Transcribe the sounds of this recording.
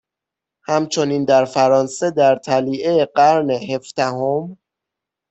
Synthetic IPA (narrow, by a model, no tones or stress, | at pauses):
hæmt͡ʃʰo̞niːnd̪æɾfæɾɒːnsed̪æɾt̪ʰæliːʔeeɢæɾneɦe̞fd̪̥æhom